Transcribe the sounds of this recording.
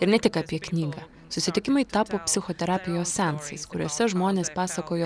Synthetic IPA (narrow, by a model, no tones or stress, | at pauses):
ɪɾnʲɛt̪ʲɪkɑːpʲiɛknʲiːɡɐ | sʊsʲɪt̪ʲɪkʲɪmɐɪt̪ɑːpoːpʲsʲɪxoːt̪ʲɛɾɑːpʲɪjoːssʲænsɐ̰ɪskʊɾʲoːsʲɛʒmoːnʲeːspɑːsɐkoːjo